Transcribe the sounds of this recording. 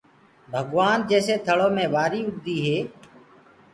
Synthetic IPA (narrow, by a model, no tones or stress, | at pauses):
bʱəɡʋaːnd͡ʒeːseːt̪ʰəɭoːmẽːʋaːɾiːʊɡd̪iːɦeː